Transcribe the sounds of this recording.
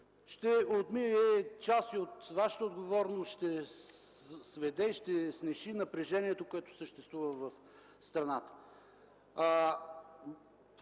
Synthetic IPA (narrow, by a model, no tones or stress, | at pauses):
ʃt̪ɛot̪miɛt͡ʃast̪iot̪vaʃə̥t̪əod̪ɡovɔɾnosʃt̪ɛ | svɛd̪ɛiʃt̪ɛsnɛʃinɐpɾɛʒɛniɛt̪okoɛt̪o̥səʃt̪ɛst̪vuvəvəf | st̪ɾɐnat̪ə̥ | t̪